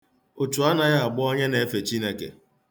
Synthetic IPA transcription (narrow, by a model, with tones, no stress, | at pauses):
o˨t͡ʃu˨a˦na˨ja˦a˨ɡ͡bʊ˦ɔ˦ɲe˦ne˨e˦fe˨t͡ʃi˦ne˦kḛ˨